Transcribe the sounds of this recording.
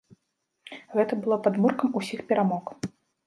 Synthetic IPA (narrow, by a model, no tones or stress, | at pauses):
ɣɛt̪ɐbɨlˠɔpad̪murkɐmusʲixpʲɛɾamɔk